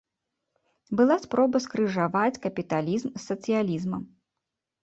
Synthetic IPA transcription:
bɨlˠaspɾɔbɐskɾɨʐavat͡sʲkɐpʲit̪alʲizmsːɐt̪sɨjalʲizmɐ

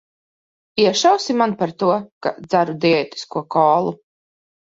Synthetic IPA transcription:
iɛʃawsimanpaɾt̪uɔka̰d̪z̥aɾud̪ɛɛːt̪i̥skuɔkɔːlˠu

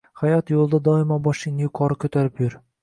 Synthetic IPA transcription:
hajɒt̪jolˠd̪ad̪ɒɪmɒbɒʃɪnɪjkʰɒɾɪkʰʲɵt̪ʰaɾɪpjʊɾ

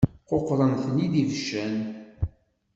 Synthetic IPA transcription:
qoqːɾˤənθnid̪ivʃæn

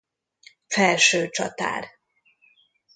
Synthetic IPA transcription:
fɛlʃøːt͡ʃɒt̪a̰ːr

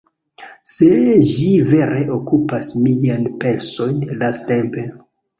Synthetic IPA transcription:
seʒive̞ɾe̞ʔokupasmianpe̞lso̞jnlaste̞mpe̞

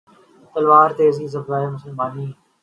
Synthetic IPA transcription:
t̪əlʋaːɾt̪eːziːzəbɾaːeːmʊsəlmaːniː

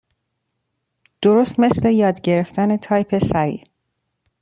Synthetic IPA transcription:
d̪̥o̞ɾost̪me̞sle̞jɒːd̪ɟe̞ɾe̞ft̪ʰæne̞t̪ʰɒːjpʰe̞sæɾḭː

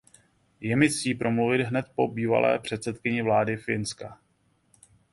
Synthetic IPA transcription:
jɛmɪsiːpɾo̞mluvɪd̪ɦnɛt̪̚po̞biːva̰lʔɛ̰ːpr̝̥ɛt̪sɛt̪kɪɲɪvlaːdɪfɪnska

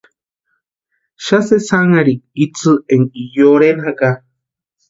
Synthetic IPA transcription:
ʃasesaŋaɾik̚it͡sɨeŋijoɾenɦaka

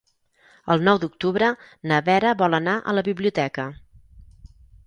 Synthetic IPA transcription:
əlˠnɔwd̪uk̚t̪uβɾə | nəβɛɾəβɔlənaʔə̰ləβiβliut̪ɛkə

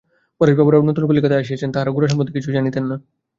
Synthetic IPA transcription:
pəɾeʃbabuɾaunːət̪unkulikət̪aəɕ̬iət͡ɕʰent̪aɦaɾaɡuɾaʃ̬ampəd̪ːikit͡ɕʰuːd͡ʑañit̪enːa

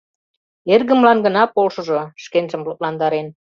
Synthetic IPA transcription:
erɣə̆mlɑnɡənɑpolʃə̆ʒoʃkenʒə̆mlop̚lɑnd̪ɑɾen

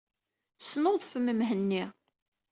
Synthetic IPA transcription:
θə̥snoðˤfəməmɦənːi

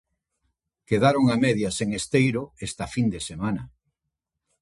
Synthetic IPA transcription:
keðaɾoŋamɛðjaseŋest̪ejɾoest̪afind̪esemanɐ

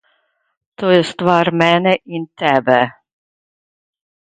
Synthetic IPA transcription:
t̪oːjɛst̪ʋɑːɾmɛnɛʔint̪ɛbɛ

